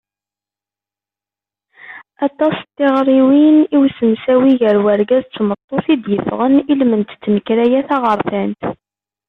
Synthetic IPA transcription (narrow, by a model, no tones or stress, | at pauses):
ɑt̪ˤːɑst̪ːɪʁɾˤiwiniwsəmsæwiʝəɾwæɾɡæzt͡sːmət̪ˤːoθid̪jəfʁənilmənt̪t͡sːnəkɾæjæθɑʁəɾˤθænt̪